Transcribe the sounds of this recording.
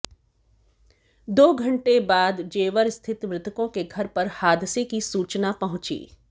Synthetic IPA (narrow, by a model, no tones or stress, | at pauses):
d̪oːɡʱɐ̃ɳʈebaːd̪d͡ʒeːʋəɾst̪ʰɪt̪mɾɪt̪ʰəkõkeɡʱɐɾpɐɾhaːd̪sekisuːt͡ʃnapɐɦʊ̃t͡ʃḭː